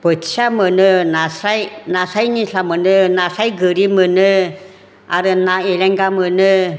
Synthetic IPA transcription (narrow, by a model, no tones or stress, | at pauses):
b̥ət͡ʃamənənasajnasajniɬamənənasajɡəɾimənə | a̰ɾənaelɛŋɡamənə